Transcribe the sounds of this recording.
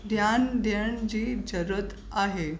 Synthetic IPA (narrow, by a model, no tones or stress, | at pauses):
d̪jand̪jəɳd͡ʑiːd͡ʑəɾət̪ | aɦe